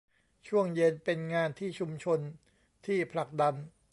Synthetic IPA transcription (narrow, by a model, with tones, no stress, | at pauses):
t͡ɕʰu˥˩əŋje˧npe˧nŋaː˧nt̪ʰiː˥˩t͡ɕʰu˧mt͡ɕʰo˧n | t̪ʰiː˥˩pʰla˨˩k̚da˧n